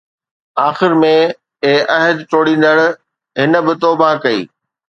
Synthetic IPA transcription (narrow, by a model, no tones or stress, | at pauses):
aːxɪɾmẽ | eːʔɐɦəd̪t͡ɕoːɽĩːn̆d̪əɽ̃̆ | ɦɪnə̆bɪt̪oːbakɐḭː